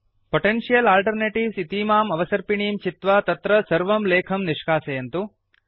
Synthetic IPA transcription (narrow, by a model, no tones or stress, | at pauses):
poʈenʂijɐlaːlʈɐɾneːʈiʋsit̪iːmaːmɐʋɐsɐɾpiɳiːmt͡ʃit̪ʋat̪ɐt̪ɾɐsɐɾʋɐmleːkʰɐmniʂkaːsejɐnt̪u